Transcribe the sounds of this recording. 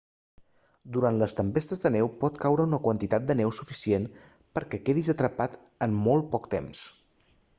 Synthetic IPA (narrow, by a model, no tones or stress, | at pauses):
d̪uɾant̪ləst̪əmpest̪əzðənɛwpɔt̪kawɾəunəkwənt̪it̪at̪̚d̪ənɛwsufisien | pəɾkɛkeðizət̪ɾəpat̪ | ənmɔlˠt̪̚pɔk̚t̪ems